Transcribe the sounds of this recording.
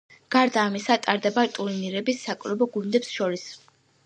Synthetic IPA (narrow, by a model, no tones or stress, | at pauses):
ɡ̥aɾd̪aːmisat̪ʼaɾd̪ɛbat̪ʼuɾiniɾɛbisːakʼvɾɔbɔɡund̪ɛpsʃɔɾis